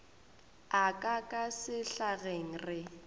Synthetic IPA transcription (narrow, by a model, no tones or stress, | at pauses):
akʼakʼasɪɬaɣeŋ̩rɪ